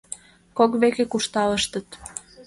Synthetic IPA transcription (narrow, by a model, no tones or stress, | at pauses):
kokβekekuʃt̪ɑləʃt̪ət̪